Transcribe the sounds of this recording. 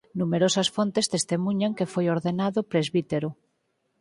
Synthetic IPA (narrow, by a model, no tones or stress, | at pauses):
numeɾosasfont̪est̪est̪emuɲaŋkefojoɾðenaðopɾezβit̪eɾo